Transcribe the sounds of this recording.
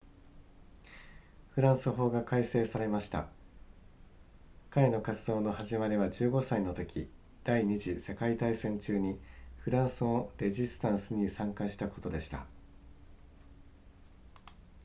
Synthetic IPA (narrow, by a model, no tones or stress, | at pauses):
ɸɯ̟ɾãɰ̃sɨɦo̞ːɡakaise̞ːsaɾe̞maɕi̥t̪a̰ | kaɾe̞no̞kat͡sɨd̪o̞ːno̞haʑimaɾʲiβad͡ʑɨːɡo̞saino̞t̪o̞kʲʰi | d̪̥aiɲ̟iʑise̞kait̪aisẽ̞ɲt͡ɕɨːɲ̟iɸɯ̟ɾãɰ̃sɨoɾe̞ʑist̪ãɰ̃sɨɲ̟isãŋkaɕi̥t̪ako̞t̪o̞d̪e̞ɕi̥t̪a̰